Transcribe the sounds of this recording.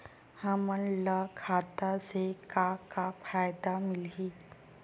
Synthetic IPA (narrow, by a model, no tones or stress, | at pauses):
həmənləkʰat̪asekakafʰajd̪amɪli